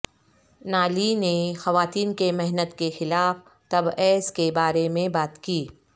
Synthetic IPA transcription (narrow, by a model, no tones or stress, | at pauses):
naːlinexɐʋaːt̪iːnkemɛɦnət̪kexɪlaːf | t̪ɐbɛːskebaːɾemẽbaːt̪kiː